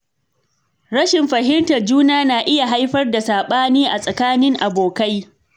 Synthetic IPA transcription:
ɽɐ˦ʃɪ˨mɸɐ˨ɦɪ˦mtɐ˨rd͡ʒuː˦naː˦naː˨ʔɪ˦ja˨ɦa˦jɸɐ˦rda˨saː˨ɓaː˦niː˦ʔa˨sʼɐ˨kaː˦nɪ˦ŋʔa˨boː˨ka˦j

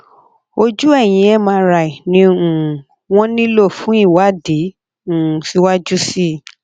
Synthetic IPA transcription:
o˧d͡ʒu˦ɛ˦˨j̃ĩ˨˧˦ɛ˦˨mãː˧˦ɾa˧˨i˨nĩ˧ũ˨ | w̃ɔ̃˦nĩ˦lo˦˨fũ˨˦i˦˨wa˨˦dẽ˨˦˨ | si˦wa˦d͡ʒu˦si˦˨

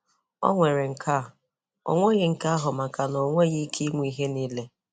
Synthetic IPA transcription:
ɔ̰˦ŋʷe˨ɾɪ˨ŋ̩˨kʰa˦˨ | o̰˦ŋʷe˦ɣɪ˨ŋ̩˨ka˦a˦ɦʊ˨ma˨ka˨no˨ŋʷe˦ɣi˦kʰi˦mʷu˦i˦ɦe˦niː˦le˦

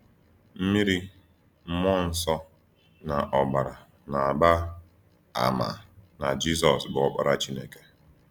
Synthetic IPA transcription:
m̩˦mi˦ɾi˦ | m̩˦mɔ˦n̩˨sɔ˦ | na˨ʔɔ˨ɡ͡ba˨ɾa˨ | na˨a˨ba˦ | a̰˨ma̰˨na˨d͡ʒi˦s̬ɔ˨sbʊ˨ɔ˦k͡pa̰˨ɾa˦t͡ʃi˦ne˦ke˦

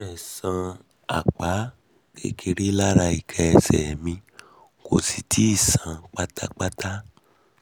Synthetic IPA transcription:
ɛ˨sã˧ | a̰˨k͡pa˨˦ | kḛ˦kʰe˧ɾe˦la˦ɾa˧i˨kʰɛ˧ɛ˧sɛ̰˨mĩ˧ | ko˨si˨tʰi˨˦i˦˨sã˧k͡pa˦ta˦k͡pa˦ta˦

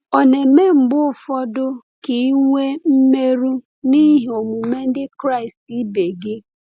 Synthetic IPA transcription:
ɔ˨ne˨me˦m̩˨ɡ͡bʊ˦˨fɔ˦dʊ˦ | ki˨˦ŋʷe˦m̩˦me˦ɾu˦ | ni˦ɦo˨mu˨me˦n̩˦dɪ˦kɾa˦ɪ˨sti˦be˨ɡɪ˦

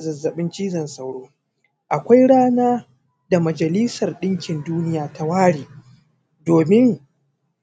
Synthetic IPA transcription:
zɐ˨zːɐ˨ɓɪ˦nt͡ʃiː˦zɐ˨nsa˨wɽoː˦ | ʔa˨kʷa˦jɽaː˦naː˦ | da˨mɐ˨d͡ʒɐ˨li˦sɐ˨rɗɪ˦ŋkʲɪ˨nduː˦nɪ˦jaː˨ta˦waː˦ɽiː˨ | doː˨mɪ˦ŋ

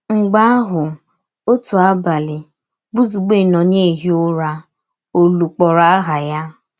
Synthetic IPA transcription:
ŋ͡m̩˨ɡ͡ba˦a˦ɦʊ˨ | o˦tu˨a˦ba˨lɪ˨ | bu˦zu˨ɡ͡be˦˨nɔ̃˨n˦e˦˨ɦi˦o˦ɾa˦ | o˦lu˨k͡pɔ˨ɾa˦ɦa˨ja˦

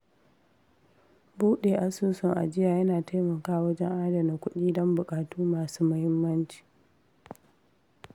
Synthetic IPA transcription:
buː˦ɗeː˨ʔa˦suː˦sʊ˨ŋʔa̰˨d͡ʒɪ˦jaː˨jɐ˦naː˨ta˦jmɐ˨kaː˦˨wɐ˦d͡ʒɛ˦ŋʔaː˦da˨na˨kʷʊ˦ɗiː˦dɔ˦mbʊ˨kʼaː˨tuː˦maː˨suː˦mɐ˦hɪ˦mːɐ˦nt͡ʃi̥ː˨

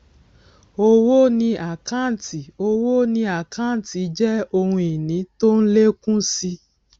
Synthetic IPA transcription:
o˧wo˦nĩ˧ʔa˨kã˦˨ti˨o˧wo˦nĩ˧a˨kã˦˨n˨ti˨˦d͡ʒɛ˦o˧hũ˧i˨nĩ˨˦to˦n̩˦le˦kũ˦si˧

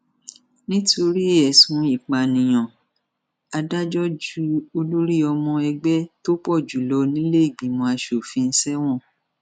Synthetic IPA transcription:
nĩ˦tʰo˧ɾi˦e˦˨ɛ˨sũ˨˦i˦˨k͡pa˨nĩ˨j̃ɔ̃˨ | a˧da˦d͡ʒɔ˦d͡ʒu˦o˧lo˦ɾi˦ɔ˧mɔ̃˧ɛ˧ɡ͡bɛ˦to˦k͡pɔ˦˨d͡ʒu˨lɔ˧˦nĩ˦le˦i˦˨ɡ͡bi˨˦mɔ̃˧a˧ʃo˨fi˧n̩˦sɛ˦w̃ɔ̃˦˨

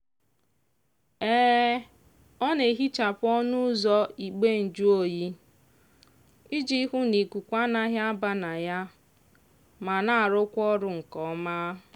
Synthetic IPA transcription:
eː˦ | ɔ˦ne˨ɦi˦t͡ʃa˨pʊ˦ɔ˦nʊ˦zɔ˦i˨k͡pe˦n̩˨d͡ʒu˦o˦ji˦ | i˦d͡ʒi˦ɦu˦ni˨kʷu˨kʷa˦na˦ɦja˦ba˦na˨ja˦ | ma˨na˦˨a˨ɾʊ˦kʷɔ˦ɾʊ˨ŋ̩˨kɔ˨˦ma˦˨

